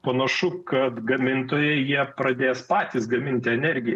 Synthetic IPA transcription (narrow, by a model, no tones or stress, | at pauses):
pɐnɐʃʊkɐt̪ɡɐmʲɪnt̪oːjɛjiɛpɾɐd̪ʲeːspɑːt̪ʲisɡɐmʲɪnʲt̪ʲɪɛnʲɛɾʲɡʲɪjɛ